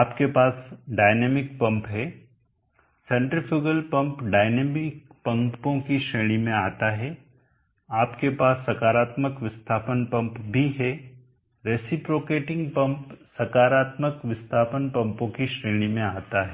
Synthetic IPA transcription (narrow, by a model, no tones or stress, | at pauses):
aːpkepaːsɖaːɪneːmɪk̚pɐ̃mpɦɛː | sɛ̃ːɳʈɾɪfʰɪɡəlpɐ̃mpɖaːɪneːmɪk̚pɐ̃mpõkiʃɾeːɽ̃imẽaːt̪aɦɛː | aːpkepaːsːɐkaːɾaːt̪məkʋɪst̪ʰaːpənpɐ̃mpbʱiɦɛ | ɾeːsɪpɾoːkeːʈɪ̃ŋɡpɐ̃mpsɐkaːɾaːt̪məkʋɪst̪ʰaːpənpɐ̃mpõkiʃɾeːɽ̃imẽaːt̪aɦɛ